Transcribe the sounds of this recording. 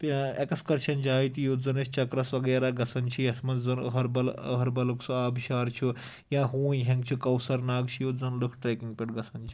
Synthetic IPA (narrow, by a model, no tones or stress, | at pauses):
t̪ekɐskɐɾʃʰɐnd͡ʒaːit̪ijuzɐnɐst͡ʃɐkɾɐsʋɐɡjaɾaɡɐsɐnt͡ʃʰijɐsmɐzɐnɐ̰ɦɐɾbɐlɦɐɾbɐlɐksuaːbiʃaːɾt͡ʃʰu | jãːɦuːnɦẽŋɡt͡ʃʰukɐwsɐɾnaːɡt͡ʃʰijuzɐnlɨkʰʈɾeːkiŋɡ̚pʲeʈɡɐsɐnt͡ʃʰi̥